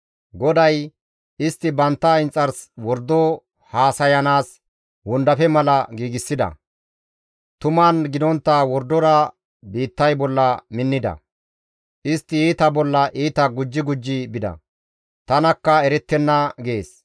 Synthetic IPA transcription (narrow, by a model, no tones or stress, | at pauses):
ɡɔd̪ɐj | ɪst̪ːɪbɐnt̪ːɐɪnt͡sʼːɐɾswɔɾd̪ːɔ | haːsɐjɐnaːs | wʊnd̪ɐfɛmɐlɐɡiːɡɪsːɪd̪ɐ̰ | t̪ʊmɐnɡɪd̪ɔnt̪ːawɔɾd̪ɔɾɐ | biːt̪ːɐjbɔlːɐmɪnːɪd̪ɐ̰ | ʔɪst̪ːɪiːt̪ɐbɔlːɐʔiːt̪ɐɡʊd͡ʒːɪɡʊd͡ʒːɪbɪd̪ɐ̰ | t̪ɐnɐkːɐɛɾɛt̪ːɛnːɐɡe̞ːs